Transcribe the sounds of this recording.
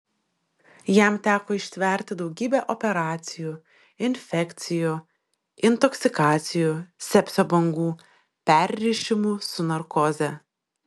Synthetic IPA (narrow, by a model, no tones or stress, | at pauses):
jæˑmt̪ʲæːkoːɪʃʲt̪ʲʋʲɛˑɾʲt̪ʲɪd̪ɒʊɡʲiːbʲeʔɔpʲɛɾɑːt̪sʲɪjuː | ɪnʲfʲɛkʲt̪sʲɪjuː | ɪnt̪ɔksʲɪkɑːt̪sʲɪjuːsʲɛpʲsʲoːbɐŋɡuː | pʲæˑɾʲɾʲɪʃʲɪmʊsʊnɐɾkɔzʲɛ